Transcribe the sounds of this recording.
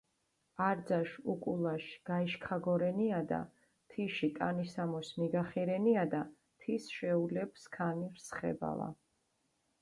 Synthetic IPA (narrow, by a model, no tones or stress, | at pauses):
aɾd̪zaʃukʼulˠaʃɡ̥aiʃkʰaɡɔɾɛniad̪a̰ | t̪ʰiʃik̪ʼanisamɔsmiɡaχiɾɛniad̪a | t̪ʰisʃɛulɛbskʰaniɾsχɛ̰ba̰la̰